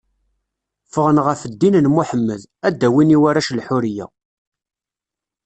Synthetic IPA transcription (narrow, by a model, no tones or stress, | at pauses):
fəʁənʁəfəd̪ːinnmʊħəmːəð | æd̪ːæwiniwaɾæʃlħʊɾijæ̰